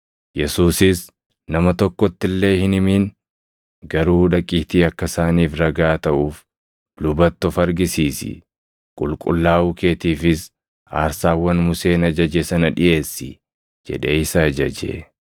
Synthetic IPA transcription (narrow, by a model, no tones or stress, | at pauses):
jɛsuːsɪs | nɐmɐt̪ɔkːɔt̪ːɪlːe̞ːhɪnɪmiːn | ɡɐɾuːhᶑɐkʼiːt̪iːɐkːɐsaːniːfɾɐɡaːt̪ɐʔuːf | lʊbɐt̪ːɔfɐɾɡɪsiːsɪ̰ | kʼʊlkʼʊ̰lːaːʔuːke̞ːt̪iːfɪs | a̰ːɾsaːwːɐnmʊse̞ːnɐd͡ʒɐd͡ʒesɐnɐᶑɪʔe̞ːsːɪ̰ | d͡ʒɛ̰ᶑeɪsɐːd͡ʒɐd͡ʒḛ